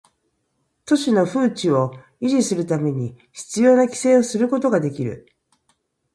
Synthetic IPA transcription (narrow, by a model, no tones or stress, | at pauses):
t̪o̞ɕino̞ɸɯ̟ːt͡ɕio̞ | iʑisɨɾɯ̟t̪ame̞ɲ̟i | çi̥t͡sɨjo̞ːnakʲi̥se̞ːo̞sɨɾɯ̟ko̞t̪o̞ɡad̪e̞kʲiɾɯ̰